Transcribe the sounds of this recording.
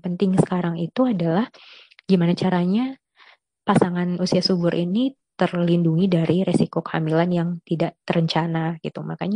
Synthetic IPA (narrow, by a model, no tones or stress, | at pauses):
pənt̪ɪŋsə̥kaɾaŋit̪uadalah | ɡimanat͡ʃaɾaɲa | pasaŋanusiasubʊɾʔini | t̪ərlinduŋidaɾiɾesikokəa̰milanjaŋt̪idaʔt̪əɾəɲt͡ʃanaɡ̥it̪umakaɲa